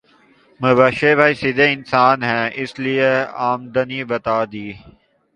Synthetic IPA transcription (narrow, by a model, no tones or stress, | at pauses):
məbaːʃeːbaːisɪd̪eːɪnsaːnɦɛ̃ːɪslieaːmd̪əniːbət̪aːd̪iː